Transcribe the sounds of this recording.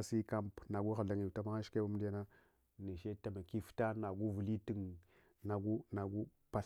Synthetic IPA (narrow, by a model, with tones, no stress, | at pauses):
si˦ka˦mpna˨ɡu˦xa˨ɮa˨ŋi˨ta˦ma˦a˦ʃke˦ba˦m˦da˦na˦ | ni˨ʃe˦ta˨ma˨ki˦fta˦na˨ɡu˦vu˨li˦ti˨ŋ | na˨ɡu˦na˨ɡu˦ | pa˦˨